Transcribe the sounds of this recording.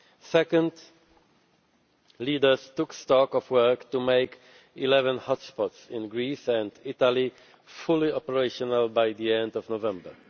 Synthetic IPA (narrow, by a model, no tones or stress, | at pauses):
sɛkə̃nd | lidə˞z̥tʊkstɔkɔvwɜ˞ktumeɪk | ilɛvə̃nhɔtspɔtsɪ̃nɡɹisæ̃ndɪtali | fʊlˠiɔpəɹeɪʃɔnəlˠbaɪðiɛ̃ndɔvnovɛ̃mbə̰˞